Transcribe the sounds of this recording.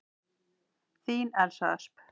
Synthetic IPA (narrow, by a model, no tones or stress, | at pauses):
θiːnɛɾ̥sa̰sp